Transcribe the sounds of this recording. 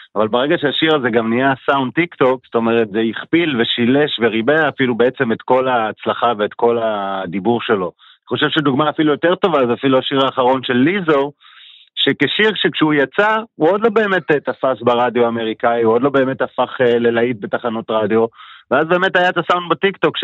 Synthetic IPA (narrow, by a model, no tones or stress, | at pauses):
avalbaʁe̞ɡaʃeaʃiʁazeɡamniasawnd̚t̪ikto̞kzo̥t̪o̞me̞ʁetzejiχpilve̞ʃileʃveʁibeafilube̞et͡se̞me̞t̪ko̞laːt͡slaχave̞ːtko̞ladibuʁʃe̞lo̞ | aniχo̞ʃe̞vʃeduɡmaːfilujo̞te̞ʁt̪o̞vazeafiluaʃiʁaːχaʁo̞nʃe̞lːizoʁ | ʃe̞keʃiʁʃekʃeujat͡sauo̞dlo̞be̞ːme̞tetafasbaʁadjoame̞ʁikaiuodlo̞be̞ːme̞tafaχele̞lait̚be̞taχano̞tʁadjo̞veazbe̞ːme̞thajaetasaundbatikto̞kʃ